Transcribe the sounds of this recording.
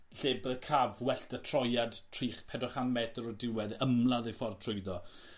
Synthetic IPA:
ɬɪbəkʰavwɛɬtətʰr̥ɔjadtʰriːχpʰɛdɔχanmɛdɔɾɔdɪwɛðəmlˠaðejfɔrtʰrʊjðɔ

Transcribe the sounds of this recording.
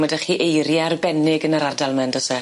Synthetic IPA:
ədaχiːʔejɾjarbɛnɪɡənəɾardalˠmɛndɔsɛ

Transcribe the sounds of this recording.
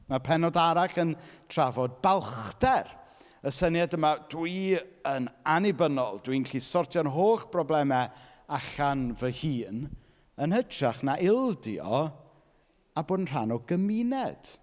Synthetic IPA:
mapʰɛnɔdaɾaɬəntʰr̥avɔd̚balˠχtɛr | əsənjadəmadwiənanɪbənɔlˠdwinɬiːsɔrtʰjɔnɦoːχprɔblˠɛmɛ | aɬanvəhiːn | ənhədaχnaʔɪlˠdḭɔ̰ | aboːdənr̥anɔɡəminɛd̥

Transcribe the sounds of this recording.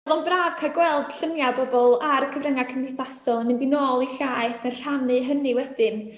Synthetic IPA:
vɛvɔlˠnbraːv̥kʰarɡwɛlˠd̥ɬəmjabɔbɔlˠaɾəkʰəvrəŋakʰəndɪθasɔlˠənmɪndinoːlˠiɬaːɨθənr̥anɨɦənɨwɛdɨn

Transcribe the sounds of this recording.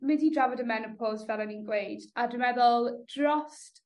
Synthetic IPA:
mɪdidɹavədəmɛnəpʰɔzvɛlənɪ̃nɡwejdadəmɛðəlˠdɹɔst

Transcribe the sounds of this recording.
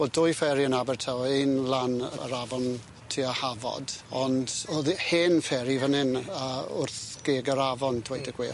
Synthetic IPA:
b̥oːdʊjfɛɾiənabɛrtʰawenlˠanə̰ə̰ɾavɔn | tʰiɔhavɔ̰dɔndoðheːnfɛɾivənɪnaʊ̰rθɡ̥eːɡəɾavɔndʰwejdəɡ̥we

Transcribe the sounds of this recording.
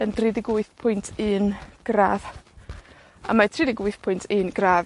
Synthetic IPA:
əndridɪɡʊɨθpʰʊjntʰɨnɡ̥raːv | a̰matʰridɪɡʊɨθpʰʊjntʰɨnɡraːv

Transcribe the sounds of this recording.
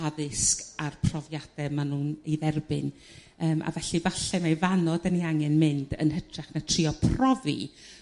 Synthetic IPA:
aðɪskarpʰrɔvjad̥ɛmanuːneðɛrbɪ̰n | əːmʔa̰vɛɬivaɬɛmajvanɔdəniaŋɛnmɪndə̰nɦətʰrɛχnatʰrɪɔpʰrɔvḭ

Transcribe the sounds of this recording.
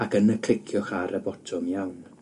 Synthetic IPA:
akənəkʰl̥ɪkʰjʊχaɾʔəbɔtʰʊmjawn

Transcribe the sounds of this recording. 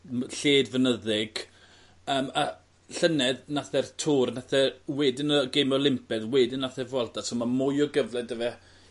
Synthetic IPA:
ɬeːdvənəðɪɡ̥ | əːma | ɬənɛðnaθɛrtʰuːrnaθɛrwɛdɪnəɡejmɔlˠɪmpʰɛðwɛːdɪnːaθɛvɔlˠdasomamʊjɔɡəvlˠɛdəvɛ

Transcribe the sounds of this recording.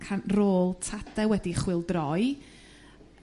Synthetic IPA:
kʰanroːlˠtʰadɛwɛdiχwɪlˠdrɔj

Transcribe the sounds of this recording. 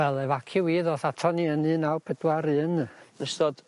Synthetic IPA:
wɛlˠɛvakʰɨwiːðɔːθatʰɔniənɨnawpʰədwaɾɨːnnəstɔd̥

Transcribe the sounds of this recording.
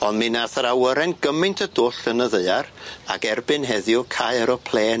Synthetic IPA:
ɔndminaθəɾawəɾɛnɡ̥əmɨntʰədʊːɬənəðəɨara̰ɡɛrbɨnɦɛðjʊkʰajəɾɔpʰl̥ˠeːn

